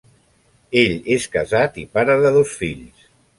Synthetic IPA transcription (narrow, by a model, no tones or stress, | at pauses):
eʎeskə̰zat̪ipaɾəðəðosfiʎs